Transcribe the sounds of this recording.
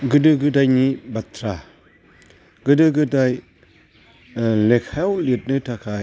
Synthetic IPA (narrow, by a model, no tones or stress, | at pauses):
ɡɯdɯɡɯdajnibatʰɾa | ɡɯdɯɡɯdaj | lekʰawlit̚nɯtʰakʰa